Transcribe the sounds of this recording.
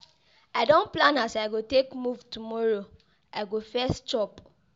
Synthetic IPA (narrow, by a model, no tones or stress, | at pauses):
aɪdõnplãnasaɪɡotekmuvtumɔɹo | aɪɡofɛst͡ʃɔp